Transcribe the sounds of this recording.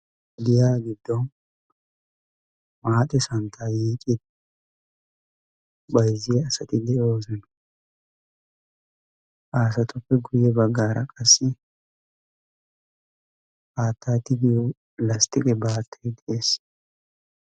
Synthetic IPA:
d̪ɪjaːɡɪd̪ːɔn | maːt̪ʼːɛsɐnt̪ʰaːjiːkʼɪt̪̚ | bɐjzɪjɛɐsɐt̪ɪd̪ɛo̞ːzɔn | ʔaːsɐt̪ʊfːɛɡʊjɛbɐɡːaːɾɐkʼɐsːɪ | aːt̪ːaːt̪ɪɡɪju | lɐst̪ɪkʼɛbaːt̪ːed̪ɛʔeːs

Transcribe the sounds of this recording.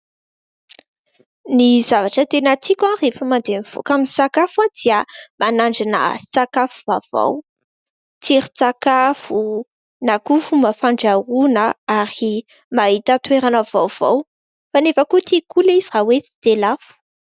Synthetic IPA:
nizavaʈ͡ʂət̪enat͡sikʲãrefəmand̪eniv̥o̰kaminsakafad̪̥iəmanaɳɖ͡ʐinə̰sakafuvav̥a̰w | t͡siɾi̥t͡sakafu | nakufuməfaɳɖ͡ʐaɾunəaɾi | maɦit̪at̪weɾanəv̥awv̥a̰w | fanefəkut̪ikulizirawet͡si̥t̪elafu̥

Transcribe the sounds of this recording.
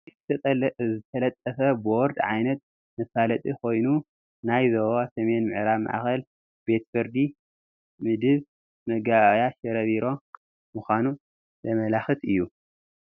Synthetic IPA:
zɨt̪ʰɐzɨt̪ʰɐlɐt̪ʼːɐfɐboɾd̪ʕajnɐt̪̚ | mɐsalɐt̪ʼikʰo̞jnu | najzɐwasɐme̞nmɨʕɾaβma̰ʔa̰xɐl | b̥e̞t̪fɨɾd̪i | mɨd̪ɨβ | mɐɡajaʃɐɾɐβiɾo̞ | mɨxʷanu | zɐmɐlaxɨt̪ɨjːu

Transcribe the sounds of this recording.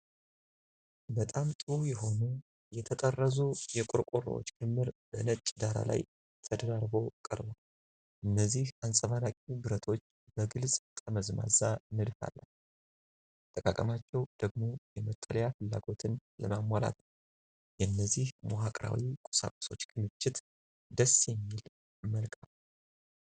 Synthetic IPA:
bət̪ʼamt̪ʼɨhjɛɦo̞nu | jɛt̪ʰət̪ʼərːəzujɛkʼʊɾkʼur̰wo̰t͡ʃːkʰɨmːɨɾbənət͡ʃʼːd̪aɾa̰la̰j | t̪ʰəd̪əɾaɾbo̞kʼəɾba | ʔɨnːəzːihansʼəvalakʼibɨɾət̪ʰo̞t͡ʃː | bəɡɨlsʼkʼʰəməzma̰zanɨd̪fa̰lːən | t̪ʼəkʼakʼəmat͡ʃːɛwd̪̥əɡmo̞jɛmət̪ʼːələjafɨlːaɡo̞t̪ʰɨnləmamala̰t̪ | jɛnːəzːihmoɦakʼɾa̰wikʼʊ̥sa̰kʼu̥so̞t͡ʃːkʰɨmɨt͡ʃːɪt̪ | d̪əsjɛmːil | məlkʼal

